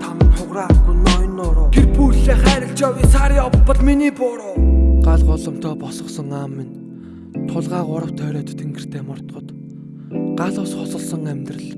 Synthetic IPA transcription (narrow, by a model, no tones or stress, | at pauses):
t̪ʰamə̆rχʊʁraːɡujnɔjnːʊːɾʊːɡerpujɮeːχæːɾə̆ɬt͡ɕɔːɣʲiːsaɾjɔːə̆ɮminiːpʊːɾʊːɢaɮʁʊːɮɞ̆m̥t̪ʰœːpɔsɞ̆sɞ̆ŋaːmːin | t̪ʰːʊɮʁaːʁʊɾə̆wt̪ʰœːɾœːt̪t̪ʰeŋɡɘ̆r̥t̪ʰeːmɔr̥t̪̆χɞ̆t̪ | ɢaɮʊːsχɔsɞ̆ɮsɞ̆ŋæmʲt̪rɘ̆ɮ